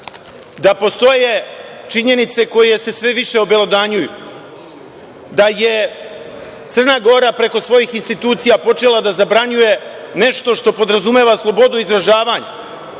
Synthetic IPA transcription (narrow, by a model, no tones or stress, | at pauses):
d̪apo̞st̪o̞je | t͡ʃiɲe̞nit̪se̞ko̞je̞se̞sʋe̞ʋiʃe̞obe̞lˠo̞d̪aɲuju | d̪aje̞ | t̪sər̩naːɡo̞ɾapɾe̞ko̞sʋo̞jiːxinst̪it̪uːt̪sijapo̞t͡ʃe̞lˠad̪azabɾaɲuje̞ne̞ʃt̪o̞ʃt̪o̞po̞d̪ɾazume̞ːʋaslˠo̞bo̞d̪uizɾaʒaːʋaːɲa